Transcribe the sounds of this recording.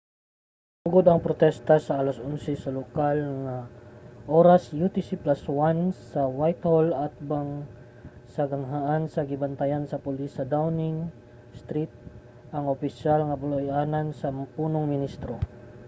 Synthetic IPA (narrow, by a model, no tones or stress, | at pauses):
ʊɡod̪ɐŋpɾot̪ɛst̪ɐsɐʔalɐsʔonsɛsɐlokalŋaʔoɾɐsjut̪ɪsiplaswansɐwajt̪holɐt̪̚baŋ | sɐɡɐŋɦaʔansɐɡɪbɐnt̪ɐjansɐpʊlisɐd̪awnɪŋ | st̪ɾit̪̚ | ʔɐŋopɪʃalŋɐbʊlojʔaːnɐnsɐpuːnoŋmɪnist̪ɾo